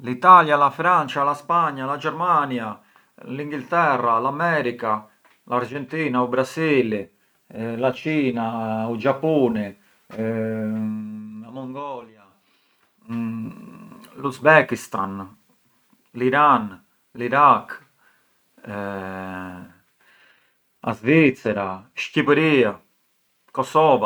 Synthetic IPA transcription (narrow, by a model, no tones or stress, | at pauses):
lit̪aljalafɾant͡ʃalaspaɲːalad͡ʒɛɾmanja | liŋɡilt̪ɛrːalamɛːɾika | laɾd͡ʒɛnt̪iːnaubɾasile | lat͡ʃiːnaud͡ʒapːuːnɛ | lamɔŋɡɔːlja | luzbɛkist̪an | liɾan | liɾakː | a̰zvit̪sɛɾaʃcipeɾia | kɔsɔːva